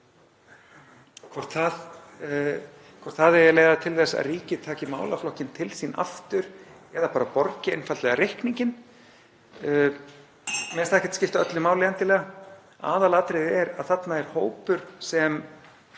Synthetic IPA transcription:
kʰvɔɾ̥t̪θað | kʰvɔɾ̥t̪θaðɛɾjɛleːɣðat̪ʰɪlθɛsːa̰ðriːcɪt̪ʰaːcɪma̰ːwlaflɔhcɪnt̪ʰɪlsina̰ft̪ʏɾ̥ɛðapaːɾapɔɾcɪejnfalt̪lɛɣaɾehkniɲcɪn | mɛst̪ɛhcɛ̥t̪scɪft̪œt̪lʏmaːwlɪɛnt̪ɪlɛːɣa | a̰ːðalaːt̪ɾejðɛɾa̰ðθat̪naɛɾ̥hoːwpʏɾ̥sɛm

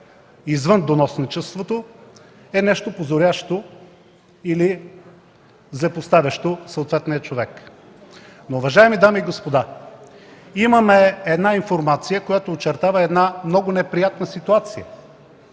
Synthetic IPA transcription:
izvənd̪onɔsnit͡ʃɛst̪vot̪o | ɛnɛʃt̪opozoɾʲaʃt̪o | ili | zlɛpost̪avʲɐʃt̪osəot̪vɛt̪nijət͡ʃovɛk | noːvɐʒaɛmid̪amiːɡospod̪a | imɐmɛɛd̪nainfoɾmat̪sijəkojat̪oːt͡ʃɛɾt̪avɐɛd̪namnɔɡʊnɛpɾijat̪nəsit̪uat̪sijə̰

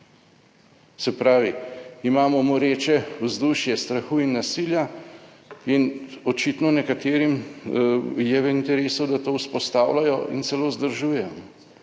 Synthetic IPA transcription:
sɛpɾaːʋiimaːmɔmɔɾeːt͡ʃɛwzd̪uʃjɛst̪ɾaxuːinːasilja | inɔt͡ʃit̪nɔnɛkat̪eːɾim | jɛʋɛint̪ɛɾeːsɔwd̪at̪oːwspɔst̪aːwlajɔʔḭnt̪sɛloːzd̪əɾʒuːjɛ

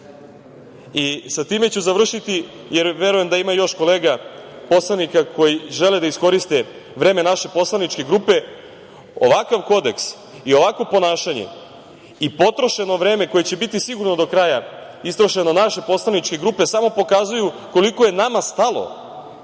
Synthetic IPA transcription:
isat̪iːme̞t͡ɕuzaʋr̩ʃit̪i | jeɾʋe̞ɾujemd̪aimajo̞ʃko̞le̞ːɡa | po̞slanikakʰo̞jiʒe̞led̪aisko̞ɾist̪e̞ | ʋɾe̞ːme̞naʃe̞po̞slˠanit͡ʃke̞ɡɾuːpe̞ | o̞̰ʋakaʋko̞d̪e̞ks | io̞ʋakʋopo̞naːʃaɲe̞̰ | ipo̞t̪ɾo̞ʃe̞no̞ʋɾe̞ːme̞ko̞jet͡ɕe̞bit̪isiɡuɾno̞d̪o̞kɾaja | ist̪ɾo̞ʃe̞no̞naʃe̞po̞slˠanit͡ʃke̞ɡɾuːpe̞samo̞po̞kazujuko̞liko̞je̞namast̪alo̞̰

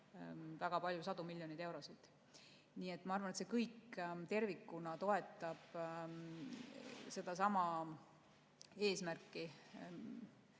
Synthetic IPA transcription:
væɡ̥ɑpɑlʲjusɑd̪̥umilʲːjo̞nid̪e̞wɾo̞sid̪̥ | niːe̞t̪ːˑmɑɑrvɑnet̪se̞kɤjkt̪e̞rvikːunɑt̪o̞e̞t̪ːˑɑb̥ | se̞d̪ɑsɑmɑ | e̞ːsmærkːˑi

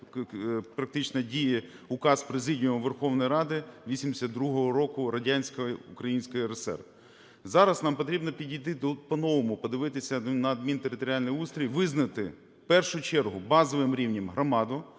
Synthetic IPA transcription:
pɾɐk̚t̪ɪt͡ʃnɐdʲiji | ʊkɑspɾezɪdʲijʊmʋerxɔwnɔjɾɑd̪ɪʋʲisʲimd̪ɪsʲɐt̪d̪ɾuɦɔɦɔɾɔkʊɾɐdʲanʲsʲkɔjukɾɐjinʲsʲkɔjiɾesɛ̰rʋ | zɑɾɐznɑmpɔt̪ɾʲibnɔpʲidʲijt̪ɪpɔnɔʋɔmʊpɔd̪ɪʋɪt̪ɪsʲɐnɐːd̪̚mʲint̪eɾɪt̪ɔɾʲalʲnɔjust̪ɾʲiʋʲjʲʋɪznɐt̪ɪ | pɛrʃʊt͡ʃɛrɦʊbɑzɔʋɪmɾʲiwnʲɐmɦɾɔmɑd̪ʊ

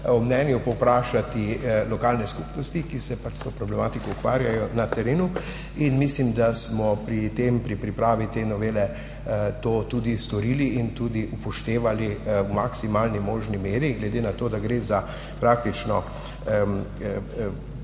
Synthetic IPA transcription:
ɔmnɛnjupɔwpɾaːʃat̪ilɔkaːlnɛskupnɔst̪ikisɛpat͡ʃst̪opɾɔblɛmaːt̪ikɔukʋaːɾjajɔnat̪ɛɾeːnu | inmislimd̪asmɔpɾit̪empɾipɾipɾaːʋit̪eːnɔʋeːlɛ | t̪oːt̪uːd̪ist̪ɔɾiːliint̪uːd̪iʔupɔʃt̪eːʋaliwmaksimaːlnimoːʒnimeːɾiɡlɛd̪enat̪oːd̪aɡɾeːza | pɾaːk̚t̪it͡ʃnɔ

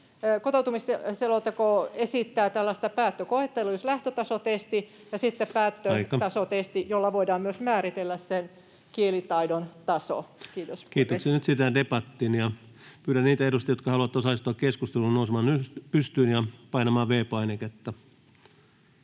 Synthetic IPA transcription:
kot̪out̪umisseloˑt̪ːɑkoesit̪ːæːt̪ælːɑst̪ɑpæːt̪ːøkoet̪ːelːujoslæht̪øt̪ɑsot̪est̪i | jɑsit̪ːeppæːt̪ːøɑikːɑt̪ɑsot̪est̪ijolːɑʋoidɑːmmyøsmæːrit̪elːæssen | kielit̪ɑidont̪ɑso̰kiːt̪oskiːt̪oksenyt̪sit̪ædepɑt̪ːiːnjɑ | pyːɾænniːt̪æeɾust̪ɑjot̪kɑhɑluɑt̪ːosɑlist̪oɑkkeskust̪elunousemɑːnyspyst̪yːnjɑpɑinɑmɑːʋeːpɑineket̪ːɑ

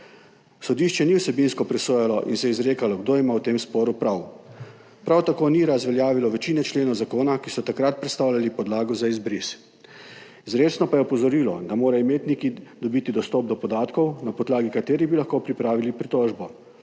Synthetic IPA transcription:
sɔd̪iːʃt͡ʃɛniwsɛbinskɔpɾɛsoːjalɔʔḭnsɛjɛizɾeːkalɔɡd̪oːimawt̪eːmspɔːɾupɾaw | pɾawt̪akoːniɾazʋɛljaːʋilɔʋɛt͡ʃiːnɛt͡ʃleːnɔwzakoːnakisɔt̪akɾat̪̚pɾɛt̪st̪awlʲalipɔd̪laːɡɔzaizbɾis | izɾeːt͡ʃnɔpajɛɔpɔzɔɾiːlɔ̰d̪amoːɾajɔmeːt̪nikid̪ɔbiːt̪id̪ɔst̪ɔp̚d̪ɔpɔd̪aːt̪kɔwnapɔd̪laːɡikat̪eːɾibilaxkopɾipɾaːʋilipɾit̪ɔːʒbɔ

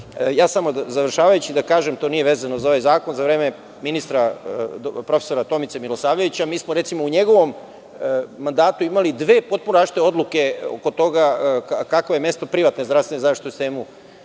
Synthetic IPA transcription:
jaːsamo̞zaʋr̩ʃaːʋajut͡ɕid̪akaːʒemt̪o̞ːnije̞ʋe̞ːzano̞zao̞ʋajzaːko̞nzaʋɾe̞ːme | minist̪ɾa | pɾo̞feso̞ɾat̪o̞mit̪semilˠo̞saːʋjeʋit͡ɕamiːsmoɾe̞t̪simouɲeɡo̞ʋo̞mː | and̪aːt̪uimalid̪ʋe̞ːpo̞t̪̚punaʃit̪eo̞d̪lˠuke̞o̰ko̞t̪o̞ɡakakakʋo̞jeme̞st̪o̞pɾiʋat̪nezd̪ɾasʋenezaʂtit̪ost̪eːmu

